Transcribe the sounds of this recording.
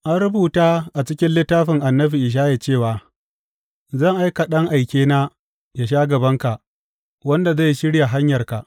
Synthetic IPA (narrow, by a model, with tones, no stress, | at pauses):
ʔa˦nɾʊ˦buː˨taː˦ʔa˨t͡ʃɪ˦kʲɪ˦nlɪ˦tːaː˦ɸɪ˨ŋʔa˨nːɐ˦ɸi˨ʔɪ˨ʃ̬aː˦ja˨t͡ʃeː˦˨waː˨ | zɐ˦˨ŋʔa˦jka˨ɗɐ˦ŋʔa˨jkʲeː˦naː˦ | ja˨ʃ̬aː˦ɡɐ˨bɐ˦ŋka˨ʔ | wɐ˦nda˨za˦˨jʃɪ˦ɽja˨ɦa˦ɲjɐ˨rka˨ʔ